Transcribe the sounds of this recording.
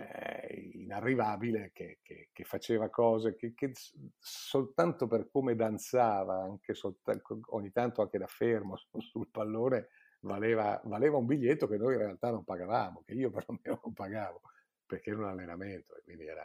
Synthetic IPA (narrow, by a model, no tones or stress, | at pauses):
ḭnarːivaːbilekʰekʰḛkefːat͡ʃeːvakɔːzekekːe | solt̪ant̪operkoːmed̪ant̪saːvaaŋkesolt̪ako̰ɲːit̪ant̪oaŋk̟ed̪afermosulpalːoːne | valeːva̰valeːvaumbiʎːet̪ːokenːoːjinrealt̪anːompaɡavaːmokeiːoperlomenonompaɡaːvo | perkeɛɾunalːenament̪oḛkwind̪iɛ̰ɾa̰